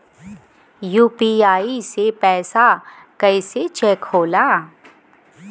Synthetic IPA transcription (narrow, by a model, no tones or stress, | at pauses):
juːpiaːisepɛːsa | kɐɪset͡ʃɛːkhoːlaː